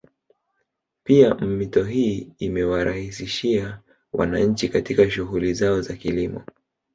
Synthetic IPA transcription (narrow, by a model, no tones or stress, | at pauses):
piam̩mitɔɦiːmɛwaɾahisiʃia | wʔa̰naɲ̩t͡ʃikatikaʃuɣulizaɔzakilimɔ̰